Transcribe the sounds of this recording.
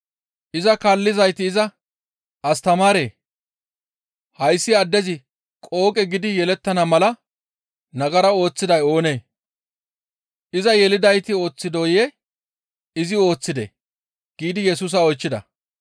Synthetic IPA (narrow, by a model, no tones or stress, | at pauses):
ʔɪzɐkaːlːɪzɐjt̪ɪːzɐ | ɐst̪ɐmaːɾe̞ː | hɐjsːɪɐd̪ːɛzɪ | kʼo̞ːkʼɛɡɪd̪ɪjɛlɛt̪ːɐnɐmɐlɐ | nɐɡɐɾɐo̞ːt͡sːɪd̪ɐjo̞ːne̞ː | ʔɪzɐjɛlɪd̪ɐjt̪ɪo̞ːt͡sːɪd̪o̞ːje | ɪzɪo̞ːt͡sːɪd̪ḛ | ɡ̥iːd̪ɪjɛsuːs̬ɐɔjt͡ʃːɪd̪ɐ̰